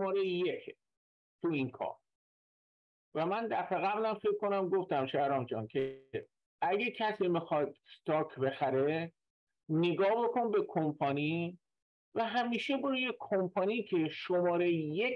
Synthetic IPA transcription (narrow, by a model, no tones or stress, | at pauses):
ɒːɾejjekʰ | t̪ʰuinkʰɒ̰ːɾ | væmænd̪æfeɣæblæmfe̞kʰkonæmɡo̞ft̪æmʃæɾɒːmd͡ʒɒ̰ːncʰe | ʔæɟecʰæsiːmixɒd̪̚kt̪ɒːkʰbe̞xæɾe | neɡɒːɦbe̞kʰonbe̞kʰompʰɒniː | væɦæmiːʃeboɾujekʰompʰɒːnicʲʰe̞ʃomɒːɾejje